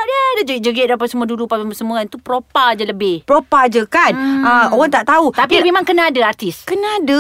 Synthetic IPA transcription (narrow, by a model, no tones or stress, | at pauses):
diəadad͡ʒəɡit̪̚d͡ʒəɡɛʔ̪̚apasəmuadudupaaəsəmuant̪upɾopad͡ʒələbɪhpɾopad͡ʒəkanaoɣaŋt̪aʔt̪aut̪apimemãŋkənaadaart̪ɪskənaad